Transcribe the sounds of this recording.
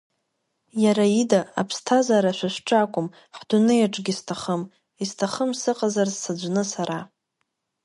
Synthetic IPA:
jaɾaidaapʰstʰazaɾaʃʷaʃʷʈ͡ʂʼakʷʼʊm | ħdʊnɨjaʈ͡ʂʼɡʲistʰaχəm | istʰaχəmsɨqʼazarzsad͡ʒʷnɨsaɾa

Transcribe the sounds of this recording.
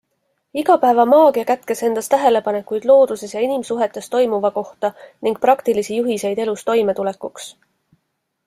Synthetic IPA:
iɡ̥ɑpæevɑmɑːɡ̥iɑkæt̪ke̞se̞nd̪̥ɑst̪æɦe̞le̞pɑne̞kujd̪lo̞ːd̪̥use̞sjɑinimsuɦe̞t̪ːˑe̞st̪o̞jmuvɑko̞ht̪ɑniŋɡ̥̚prɑkt̪ilisijuɦise̞jd̪e̞lust̪o̞jme̞t̪ule̞kːuks

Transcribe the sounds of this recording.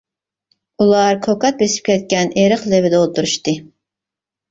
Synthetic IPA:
ulˠɑɾkʰokɑt̪̚besɪ̥p̚kʲɛt̪̚kʲɛneɾəqlevɪd̪olˠt̪ʰuɾuʃt̪ɨ

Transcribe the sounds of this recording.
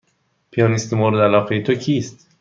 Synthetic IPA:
pʰijɑnist̪emoɾd̪ælɒːqejet̪ʰocʰiːst̪

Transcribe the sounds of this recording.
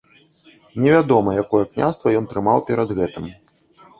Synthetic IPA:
nʲɛvʲad̪ɔmɐjakɔjɛknʲa̰st̪vɐjɔnt̪ɾɨmawpʲɛɾɐd̪ɣɛt̪ɨm

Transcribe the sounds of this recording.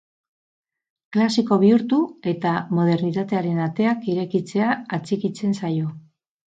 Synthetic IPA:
klasiko̞βiuɾt̪ue̞t̪amo̞ð̞e̞ɾnit̪at̪e̞aɾe̞nat̪e̞akiɾe̞kit͡se̞aːt͡sikit͡se̞nsajo̞

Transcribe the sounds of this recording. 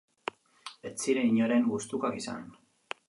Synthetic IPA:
et͡siɾeiɲoɾe̞ŋɡust̪ukakisa̰n

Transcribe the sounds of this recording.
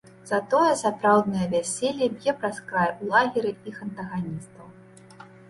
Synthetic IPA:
z̥ɐt̪ɔjɛsapɾawd̪nɨjɐvʲasʲelʲːɛbʲjɛpɾaskɾajɛulˠaɣʲiɾɨixɐnt̪ɐɣanʲist̪ɐw

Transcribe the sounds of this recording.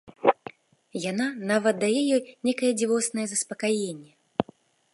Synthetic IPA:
jananavɐt̪̚d̪ajɛjɔjnʲɛkɐjɛd͡zʲivɔsnɐjɛzɐspɐkajɛnʲːɛ

